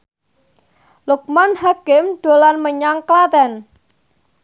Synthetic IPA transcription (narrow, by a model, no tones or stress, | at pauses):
luk̚manhakɪmɖ̥o̤lanməɲaŋklat̪ɛn